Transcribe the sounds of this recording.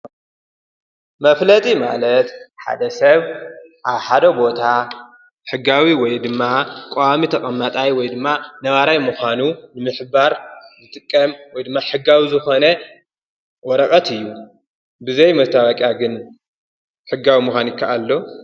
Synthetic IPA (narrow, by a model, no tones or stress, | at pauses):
mɐflɐt̪ʼima̰lɐt̪ħa̰d̪ɐsɐβʔaβħad̪ɐbo̞t̪ʰa | ħɨɡːawiwɔjd̪ɨmːakʼoamit̪ʰɐkʼɐmːɐt̪ʼajwɔjd̪ɨmːanɐβaɾajmuxanunɨmɨħbaɾzɨt̪ʼɨkʼːɐmwɔjd̪ɨmːaħɨɡːawizɨxo̞nɐ | wɔɾɐkʼɐt̪ɨjːu | bɨzɐjmɐst̪ʰawakʼjaɡɨn | ħɨɡːawimuxʷanjɪkʰːaʔalːo